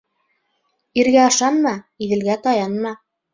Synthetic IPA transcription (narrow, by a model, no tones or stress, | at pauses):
iɾɣæɑʃɑnmɑiðɘ̆lɡæt̪ɑjɑnmɑ